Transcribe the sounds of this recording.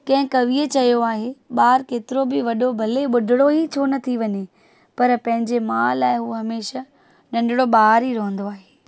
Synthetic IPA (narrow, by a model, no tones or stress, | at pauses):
kɐ̃ɦɪ̃kɐʋiːət͡ɕɐijoaːɦeɓaːɾkeːt̪ɪɾobɪʋɐɗobʱɐleɓʊɖʱɪɽoɦit͡ɕʰonɐt̪ʰiʋɐɲe | pɐɾpɐ̃ɦɪ̃ɲd͡ʑemãːlaːɪɦuːɦɐmeːʃa | nɐ̃ɳɖɪɽoɓaːɾiɾõɦə̃nd̪oaːɦeː